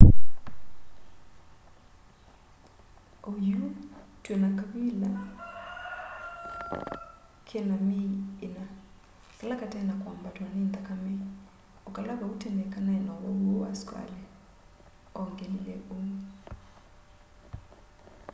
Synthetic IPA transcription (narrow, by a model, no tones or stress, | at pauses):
ojutwɛnakaβila | kʰɛnamiena | kalakatɛnakwambatwanend̪akamɛ | ɔkalaβautɛndɛkanaɛnɔwaowa̰skwa̰lɛ | ɔŋɡɛlilɛʔo